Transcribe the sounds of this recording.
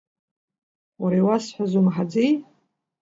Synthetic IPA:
waɾajwasħʷazumħad͡zej

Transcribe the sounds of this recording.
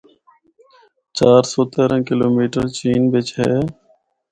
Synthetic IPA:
t͡ʃaːɾsoːt̪eːɾə̃ːkɪloːmiːʈəɾt͡ʃiːnbɪt͡ʃɦɛː

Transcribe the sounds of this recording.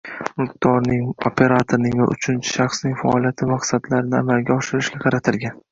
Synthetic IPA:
mʊq̚d̪̥ɒɾnɪŋopʰe̞ɾat̪ʰoɾnɪŋva̰ʔʊ̰t͡ʃʰɪnt͡ʃʰɪ̥ʃɑχsnɪŋʲfaɒlˠijat̪ʰɪmaqsad̪laɾɪnɪamalɡʲaɒʃɪɾɪʃɡʲaqʰɑɾat̪ʰɪlɡʲan

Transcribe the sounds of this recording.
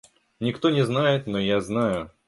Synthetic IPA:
nʲɪkt̪o̞nʲɪznajɪt̪nojaznajʊ

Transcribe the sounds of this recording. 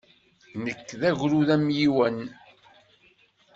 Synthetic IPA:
nəkːðæʝɾuðæmjiwən

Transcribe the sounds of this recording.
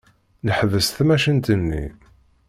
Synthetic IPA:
nəħðəst̪mæʃənt̪ənːḭ

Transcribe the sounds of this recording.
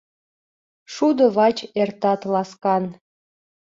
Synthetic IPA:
ʃud̪oβɑt͡ɕert̪ɑt̪lɑskɑn

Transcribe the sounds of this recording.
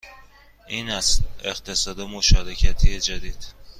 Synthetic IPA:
ʔiːnæseqt̪ʰe̞sɒːd̪emoʃɒːɾecʰæt̪ʰijed͡ʒæd̪iːd̪̥

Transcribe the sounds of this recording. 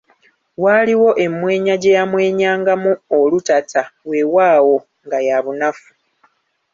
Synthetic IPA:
waliwo̞ʔe̞mwe̞ːɲaɟejamwe̞ːɲaːŋɡamuolutatʰawe̞waːwo̞ | ŋɡajaβunafu̥

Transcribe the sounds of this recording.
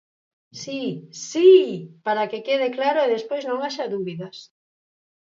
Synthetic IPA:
sisipaɾakekeðeklaɾoeðespojznõŋaʃaðuβiðɐs

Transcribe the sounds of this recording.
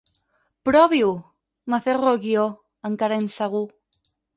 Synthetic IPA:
pɾɔβiu | maferolɣio | əŋkaɾainsəɣu

